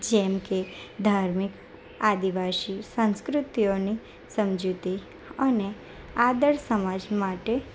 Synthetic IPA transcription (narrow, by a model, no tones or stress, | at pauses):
d͡ʒɛmked̪ʱaɾmɪk | ad̪iʋaʃisə̃nskɾʊt̪ijoni | səmd͡ʒut̪i | əne | ad̪əɭsəmad͡ʒmaʈe